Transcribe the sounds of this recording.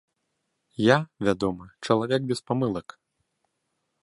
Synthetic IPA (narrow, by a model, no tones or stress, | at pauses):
javʲad̪ɔmɨt͡ʂɐlˠavʲɛk̚bʲɛspamɨlˠɐk